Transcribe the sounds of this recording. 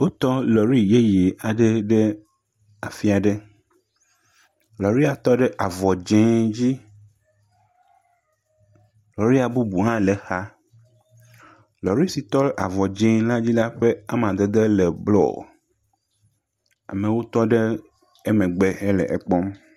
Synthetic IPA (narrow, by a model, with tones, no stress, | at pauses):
wo˦t̪ɔ˦lɔ˨ɾi˦je˦je˨a˨ɖe˦ɖe˦ | a˨fi˦a˨ɖe˦ | lɔ˨ɾi˦a˨t̪ɔ˦ɖɛ˦ʔa˨vɔ˨d͡ʒẽ˨d͡ʑi˦ | lɔ˨ɾi˦a˨bu˦bu˨ɦã˦le˨xa˦ | lɔ˨ɾi˦si˨t̪ɔ˦ʔa˨vɔ˨d͡ʒẽ˨˦la˦d͡ʑi˦la˦ɸe˦a˦mã˨d̪e˨d̪e˦lɛ˨blɔ̰˦˨ | a̰˨me˨wo˦t̪ɔ˦ɖe˦ | ɛ˦mɛ̃˨ɡ͡bɛ˨ɛ˦lɛ̰˨ʔe˨k͡pɔ˦m